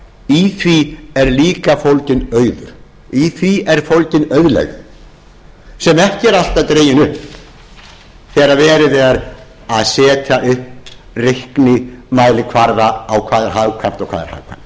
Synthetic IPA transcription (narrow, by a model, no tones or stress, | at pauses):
iθviɛɾliːkafowlcɪnœːɥðʏɾ̥ | iθviɛɾ̥fowlcɪnœɥðlɛ̰ɣ | sɛmɛhcɪɛɾal̥t̪aðt̪ɾeːjɪnʏhp | θɛːɾavɛːɾɪvɛːðaɾ | aðsɛːt̪ʰaʔʏhp | rɪhknɪmaːjlɪkʰvaɾðaːwkʰvaːðɛɾ̥ɦavkʰam̥t̪ɔɣkʰva̰ːðɛɾ̥ha̰vkʰva̰m̥t̪